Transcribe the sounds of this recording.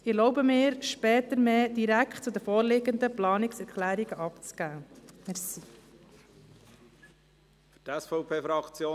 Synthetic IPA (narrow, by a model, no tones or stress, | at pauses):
ɪlɔwbəmɪːɾʃpɛːt̪əɾmeːd̥̪iɾækχtt͡sud̪əfɔːɾlɪɡənd̪əplɑːnɪksɛɾkʰlæːɾiɡəʔɑpt͡sɡ̥æːmɛɾsi | fytɛsfɔʊpʰeːfɾɑkt͡sjoː